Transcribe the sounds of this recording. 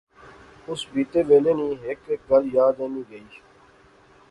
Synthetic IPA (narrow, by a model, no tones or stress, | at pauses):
ʊsbiːt̪eːʋeːleːnĩːɦeːkek̚ɡəljaːd̪ẽːnĩːɡəiː